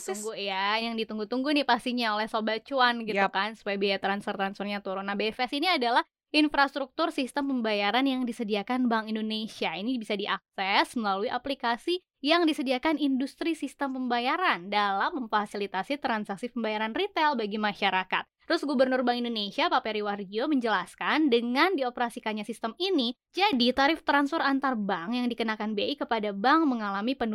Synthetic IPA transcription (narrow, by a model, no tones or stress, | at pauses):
t̪uŋɡujajaŋdit̪uŋɡut̪uŋɡunɪhpast̪iɲaolɛhsobat͡ʃuanɡiukansu̥pajabiat̪ɾansfərt̪ɾansfərɲat̪uɾonabeɛfɛsiniadalah | infɾast̪ɾuk̚t̪ʊrsist̪əmpəmbajaɾanjaŋdisədiakanbaŋindonesiainibisadiʔak̚sɛsməlaluiʔaplikasi | jaŋdisədiakanindust̪ɾisist̪əmpəmbajaɾandalamːəɱfasilit̪asit̪ɾansak̚sipəmbajaɾanrit̪ɛlbaɡimaʃaɾaka̰t̪̚ː | əɾʊsɡubərnʊrbaŋindonesiapapɛɾiwardioməɲd͡ʒəlaskandəŋandiopəɾasikaɲasist̪əmini | d͡ʒadit̪aɾɪft̪ɾansfəɾant̪arbaŋjaŋdikənakanbeikəpadabaŋməŋalamipənu